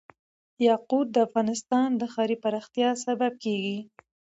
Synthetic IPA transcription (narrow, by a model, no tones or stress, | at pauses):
jɑqud̪̚d̪əafɣɑnɪst̪ɑnd̪əxɑɾipaɾɑxt̪jɑsabab̚keɡi